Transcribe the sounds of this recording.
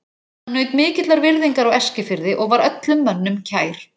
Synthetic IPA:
hanːœːɥt̪mɪːcɪt̪laɾvɪɾðiŋkaɾawɛscɪfɪɾðɪʔɔɣvaɾœt̪lʏmːœnːʏmcʰaːjɾ̥

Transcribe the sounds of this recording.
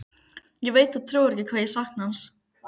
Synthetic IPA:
jɛveːjt̪aðt̪ʰɾuːwɾɛhcɪkʰvaːðjɛsahknhans

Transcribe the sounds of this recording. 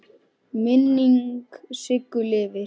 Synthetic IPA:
mɪnːiŋksɪkːʏlɪvɪ

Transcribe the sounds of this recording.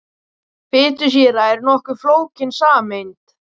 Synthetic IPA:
pɪːt̪ʏs̬jɛːɾaɛɾnɔhkʏɾfloːwcɪnsaːmejnt̪

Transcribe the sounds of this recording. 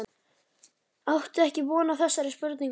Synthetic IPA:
awht̪ʏɛhcɪpɔːnaθɛsːaɾɪspʏɾt̪niŋ

